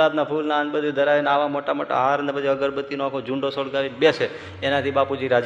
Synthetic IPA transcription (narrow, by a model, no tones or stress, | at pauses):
ad̪napʰulnaənbəd̪ʱid̪əɾainaʋamoʈamoʈa̰ɦaɾnepət͡ʃʰiəɡəɾbət̪ːinoakʰod͡ʒũɳɖosəɽɡaʋinbese | enat̪ʰibapud͡ʒiɾad͡ʒ